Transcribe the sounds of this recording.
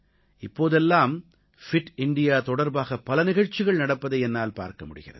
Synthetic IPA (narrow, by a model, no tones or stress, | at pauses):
ɪpːoːðɛlːaːm | fɪʈɪɳɖɪjaːt̪ɔɽɐɾbaːɣɐpːɐlɐnɪɣɐɻt͡ʃːɪɣɐɭnɐɽɐpːɐðɐɪɛnːaːlpa̰ːɾkɐmʊɽɯ̰ɣɪrɐ̰ð